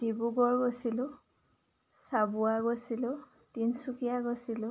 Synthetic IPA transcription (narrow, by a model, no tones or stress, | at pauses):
d̥ibuɡɔɹɡosilʊ | sabʊaɡosilʊ | tinsukijaɡosilʊ